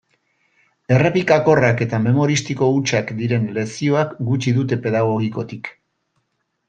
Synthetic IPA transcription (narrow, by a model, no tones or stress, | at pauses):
e̞rapikako̞rake̞t̪ame̞mo̞ɾist̪iko̞ut͡ʃakd̪iɾe̞nle̞sio̞akɡut͡ʃiðut̪̬e̞pe̞ðaɣ̞o̞ɣ̞iko̞t̪ik